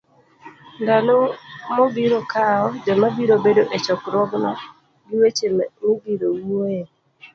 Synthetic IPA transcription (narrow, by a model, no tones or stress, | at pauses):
ndalomobiɾokaɔd͡ʒɔmabiɾobedoʔet͡ʃɔkɾɔɡnɔ | ɡiwet͡ʃemmibiɾowoe